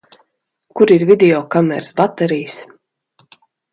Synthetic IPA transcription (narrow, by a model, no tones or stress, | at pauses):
kuɾiɾvʲid̪ʲɛɔkamɛ̰ɾsbat̪ɛɾijs